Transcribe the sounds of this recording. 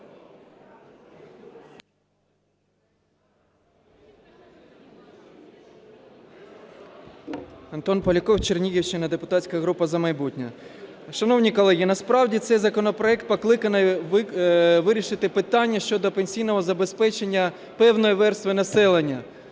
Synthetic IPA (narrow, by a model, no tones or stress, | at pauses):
ɐnt̪ɔnpɔlʲɐkɔwt͡ʃernʲijiwt͡ʃɪnɐd̪epʊ̥t̪ɑtʲsʲkɐɦɾupɐzɐmɐjbutʲnʲɐ̰ʃɐnɔwnʲikɔlˠɛɦʲinɐspɾɑwdʲit̪sɛjzɐkɔnɔpɾɔɛkt̪̚pɔklˠɪkɐnɪjʋʋɪɾʲiʃɪt̪ɪpɪt̪ɑnʲːɐʃt͡ʃɔd̪ɔpenʲsʲijnɔɦɔzɐbe̞spɛt͡ʃenʲːɐ | pɛwnɔjiʋɛrst̪ʋɪnɐsɛlˠenʲːɐ